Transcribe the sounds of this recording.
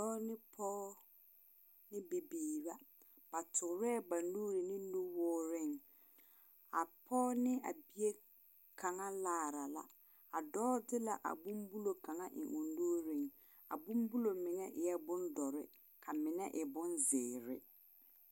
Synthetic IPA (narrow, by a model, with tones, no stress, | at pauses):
dɔː˦nɪ˦pʰɔː˦ | nɪ˦be˨biː˨ba˦ | b̥a˨tʰʊ˨ɾɛ˦˨ba˨nːuː˦ɾɪ˨nɪ˦nu˦wɔː˦ɾɪ˦˨ŋ | a˨pʰɔː˦nɪ˦a̰˨bi˦e˦ | kʰa˨ŋa˦laː˦˨ɾa˨la̰˨ | a˨dɔː˦dɪ˦la˨ʔa̰˨bu˦mbu˦lo˨ka˨ŋa˦ʔɪ̰˨ŋʔu˨ndu˦ɾɪ˦˨ŋ | a̰˨bʊ˦mbu˦lo˨mɪ˨ŋɛ˦ʔɪ˨jɛ˦bʊ˦ndɔ˨ɾɪ˦ | kʰa˨mɪ˨nɛ˦ʔɪ˨bʊ˦nzɪː˨ɾɪ̰˦